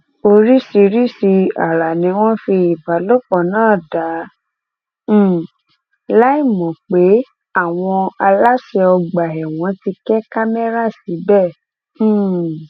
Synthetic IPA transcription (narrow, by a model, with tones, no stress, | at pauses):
o˧ɾi˦si˧ɾi˦si˧a˨ɾa˨nĩ˨˧˦w̃ɔ̃˦fi˧i˨ba˨˦lo˦˨k͡pɔ˨nãː˦˨da˨˦˨ | la˦i˦˨mɔ̃˨k͡pe˨˦ | a˦˨w̃ɔ̃˧a˧la˦ʃɛ˧ɔ˧ɡ͡ba˨ɛ˨w̃ɔ̃˨˦ti˧kɛ˦ka˦me˦ɾa˦˨si˨˦bɛ̃˦˨˦